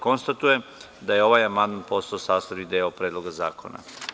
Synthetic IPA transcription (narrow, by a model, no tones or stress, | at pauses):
ko̞nst̪at̪uje | d̪ajeo̞ʋajamand̪manpo̞st̪aosaːst̪aʋid̪eopɾeːd̪lˠo̞ɡaza̰ːko̞na̰